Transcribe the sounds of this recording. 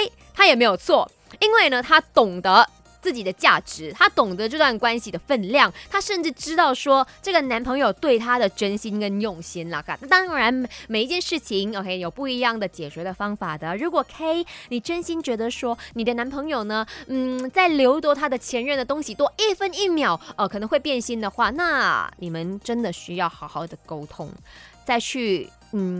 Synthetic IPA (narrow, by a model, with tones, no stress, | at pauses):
e˥ɪ | t̪ʰa˥jɛ˨˩me˧˥ɪjo˨˩ʊt͡sʰwɔ˥˩ | i˥nwe˥˩ɪnə˩t̪ʰa˥t̪ʊ˨˩ŋd̪ə˧˦ | t͡sɹ̩˥˩t͡ɕi˨˩d̪ə˦t͡ɕja˥˩ʈ͡ʂɻ̩˧˥t̪ʰa˥t̪ʊ˨˩ŋd̪ə˦ʈ͡ʂɤ˥˧t̪wa˥˩nkwa˥nɕi˨˩d̪ə˩fə˥˧nljɑ˥˨˩ŋt̪ʰa˥ʂə˥˧nʈ͡ʂɻ̩˥˩ʈ͡ʂɻ̩˥t̪ɑ˥˩ʊʂwɔ˥ʈ͡ʂɤ˥˩ɡə˩na˧˥npʰɤ˧˥ŋjo˨˩ʊt̪we˥˩ɪt̪ʰa˥d̪ə˨ʈ͡ʂə˥nɕi˥nkə˥njʊ˥˩ŋɕi˥nlə̰˨˩kʰa˨˩t̪ʰa˥˩t̪ɑ˥ŋɻa˧˥nme˨˩ɪi˧˥t͡ɕjɛ˥˧nʂɻ̩˥˩t͡ɕʰi˧˥ŋo˨˧˩kʰe˥˨jo˨˩ʊpu˥˩i˧˥jɑ˥˩ŋd̪ə˩t͡ɕjɛ˨˩ɕɥɛ˧˥d̪ə˧fɑ˥ŋfa˨˩d̪ə˦ɻu˧˥kwɔ˨˩kʰe˥ɪni˨˩ʈ͡ʂə˥nɕi˥nt͡ɕɥɛ˧˥d̪ə˧ʂwɔ˥ni˨˩d̪ə˦na˧˥npʰɤ˧˥ŋjo˨˩ʊnə˧˦n̩˥˩t͡sa˥˩ɪljo˧˥ʊt̪wɔ˧˥t̪ʰa˥d̪ə˨t͡ɕʰjɛ˧˥nɻə˥˩nd̪ə˩t̪ʊ˥ŋɕi˨t̪wɔ˥ʔi˥˩fə˥ni˥˩mjɑ˨˩ʊə˧kʰɤ˨˩nɤ˧˥ŋxwe˥˧ɪpjɛ˥˧nɕi˥nd̪ə˨xwa˥˩na˥˧ni˨˩mə˦nʈ͡ʂə˥nd̪ə˨˩ɕy˥jɑ˥˩ʊxɑ˧˥ʊxɑ˥˩ʊd̪ə˩ko˥ʊt̪ʰʊ̰˥ŋt͡sa˥˧ɪt͡ɕʰy˥˩ | n̩˥˩